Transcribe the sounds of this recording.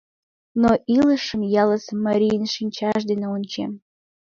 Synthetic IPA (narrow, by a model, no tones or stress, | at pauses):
noʔiləʃəmjɑləsmɐɾʲijnʃinʲt͡ɕɑʃd̪eneonʲt͡ɕḛm